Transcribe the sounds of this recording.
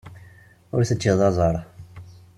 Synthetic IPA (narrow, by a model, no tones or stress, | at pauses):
ʊɾθət͡ʃːiðˤɑzˤɑɾˤ